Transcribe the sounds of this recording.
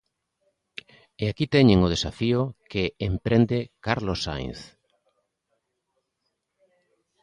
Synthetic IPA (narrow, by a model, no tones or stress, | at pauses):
eakit̪ɛɲeŋʊð̞esafiokeːmpɾend̪ekaɾlosa̰j̃θ